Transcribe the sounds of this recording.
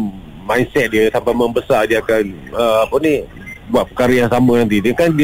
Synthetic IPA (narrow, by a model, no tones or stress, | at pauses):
mãjnsɛt̪̚diət̪ampamə̃mbəsadiəakanəapəni | buat̪̚pəkaɾəjaŋsamənant̪̬idəkandi